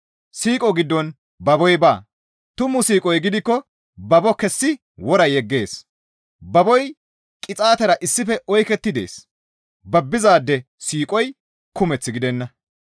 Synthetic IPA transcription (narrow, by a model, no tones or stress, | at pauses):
siːkʼɔɡɪd̪ːɔn | bɐbɔjbaː | t̪ʊmʊsiːkʼɔjɡɪd̪ɪkːɔ | bɐbɔkɛsːɪ | wɔɾɐjɛɡːe̞ːs | bɐbɔj | kʼɪt͡sʼaːt̪ɛɾɐʔɪsːɪfɛʔɔjkɛt̪ːɪd̪e̞̰ːs | bɐbːɪzaːd̪ːɛ | siːkʼɔj | kʊmɛt͡sːɪɡɪd̪ɛnːɐ